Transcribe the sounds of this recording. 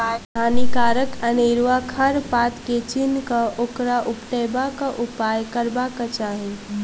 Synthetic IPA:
aːnikaːɾəkəneːɾʋakʰəɾpaːt̪ket͡ʃinkaʔokɾaʔʊpʈeːbakaʔʊpaːjkəɾbakat͡ʃaːɦẽ

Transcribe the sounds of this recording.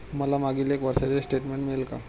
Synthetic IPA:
məlamaɡilekʋəɾsat͡sesʈeʈmeɳʈmelka̰

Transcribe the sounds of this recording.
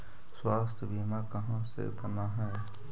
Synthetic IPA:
swast̪ʰəbʱimakəɦãsḛpənaɦɛ

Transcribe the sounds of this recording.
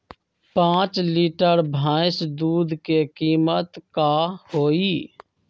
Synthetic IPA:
pãːt͡ʃliːʈəɾbʱaːɪsd̪uːd̪ʱkekiːmət̪kahoːiː

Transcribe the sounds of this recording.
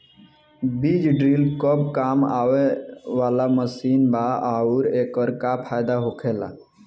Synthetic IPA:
biːd͡ʒɖɾiːlkəbkaːmaːweʋaːlaməsiːnbaʔaːuːɾeːkəɾkapʰaːjd̪aɦoːkʰela̰

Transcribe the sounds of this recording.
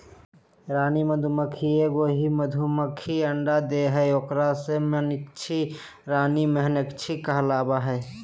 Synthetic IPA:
ɾaːniməd̪ʱuməkʰieɡoːɦiməd̪ʱuməkʰiəɳɖad̪eɦɛoːkɾasemenɪkt͡ʃʰi | ɾaːnimeɦənɪkt͡ʃʰikəɦlaːbaɦɛː

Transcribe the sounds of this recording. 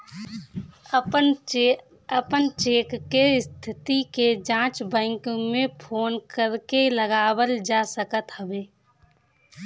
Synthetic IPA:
əpənt͡ʃeːkːeɪst̪ʰɪt̪iked͡ʒãːt͡ʃbɛ̃ːŋkmẽpʰoːnkəɾkeləɡaːwəld͡ʒaːsəkət̪ɦəbeː

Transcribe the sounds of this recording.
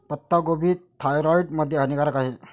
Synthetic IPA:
pət̪ːaɡobiːt̪ʰːajɾɔjʈməd̪ʱːjeɦənikaɾəkaɦe

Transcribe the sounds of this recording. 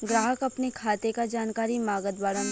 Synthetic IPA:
ɡɾaːɦəkɐpnekʰaːt̪ekad͡ʒaːnkaːɾimaːɡəd̪baːɾa

